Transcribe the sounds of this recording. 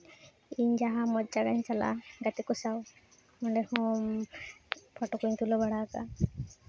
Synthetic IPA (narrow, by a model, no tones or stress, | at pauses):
iɲd͡ʒaɦamɔd͡ʒaɡaɲt͡ʃala̰ɡat̪ikusaw | mɔɳɖɛhɔm | pʰɔʈɔkuɲt̪ʰulɔbaɽaka̰